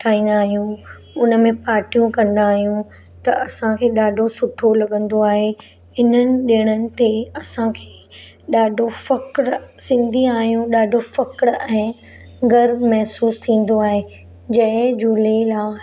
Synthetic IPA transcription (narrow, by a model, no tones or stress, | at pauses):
ʈʰaːĩːnd̪aːɦijũ | ʊnə̆mẽpaːɾʈijũkɐ̃nd̪aːɦijũ | t̪ɐʔɐsãkʰeːɗaːɖʱosʊʈʰolɐɠə̃nd̪oaːɦe | hɪn̤ənɪ̆ɗiəɽ̃ənɪ̆t̪eɐsãkʰeː | ɗaːɖʱofɐkɽsɪ̃nd̪ʱiaːɦijũɗaːɖʱofɐkɽɛ̃ː | ɡɐɾmɛɦsuːst̪ʰĩːn̆d̪oaːɦeː | d͡ʑɐ̃ɦɪ̃d͡ʑuːlelaː